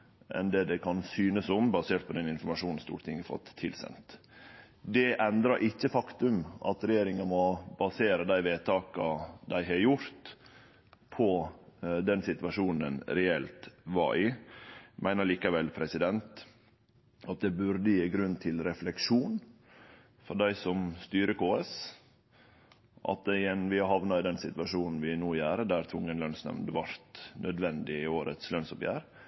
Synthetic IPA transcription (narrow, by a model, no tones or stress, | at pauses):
ʔɛ̰nd̪ɛd̪ɛkʰɑnsyːnəsʊmbɑseːʈ̪̚pʰɔd̪ɛnɪnfɔɾmɑʂuːnn̩st̪ṵːɾt̪ʰɪŋːəfɔ̰t̪ʰːɪlsɛ̰nt̪ | d̪ɛʔɛnd̪ɾɑɾʔɪçːəfɑkt̪ʉmʔɑ̰t̪ɾɛjeːɾɪŋɑmɔbɑseːɾəd̪æɪʋeːt̪ʰɑːkɑd̪æɪɦɑjʊɾt̪ | pʰɔ | d̪ɛnsɪt̪ʋɑʂuːnn̩ə̰nɾɛɛlt̪ʋɑ̰ɾɪ | mʔæɪnəɭiːkɑʋɛlpʰɾɛsɪd̪ɛnt̪ | ʔɑt̪̚d̪ɛbʉɾd̪əjiːɡɾʉnːt̪ʰɪlɾɛflɛkʂuːn | fɔɾɖ̪æɪsɔmst̪yːɾəkʰoːɛs | ʔɑ̰t̪̚d̪ɛnʋɪɑɦɑʋnɑɪd̪ɛnsɪt̪ʋɑʂuːnn̩ʋɪnuːjæːɾəd̪æɾt̪ʰʊŋːənlœnsnɛ̰mnd̪əʋɑɾt̪nœd̪ʋɛnd̪ɪɪoːɾə̰t̪slœnsɔpjæ̰ːɾ